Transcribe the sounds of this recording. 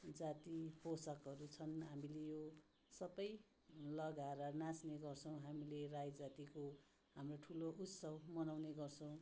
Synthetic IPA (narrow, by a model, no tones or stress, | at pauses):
d͡zat̪iposʌkɦʌɾut͡sʰʌnɦamilejo | sʌbʌj | lʌɡaɾʌnãsneɡʌrt͡sʰʌw̃ɦamilerajd͡zat̪iko | ɦamroʈʰuloʔut̪sʌbmʌnawneɡʌrt͡sʰʌw̃